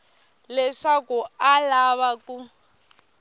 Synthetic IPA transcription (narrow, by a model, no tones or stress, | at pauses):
lɛʂakualaβaku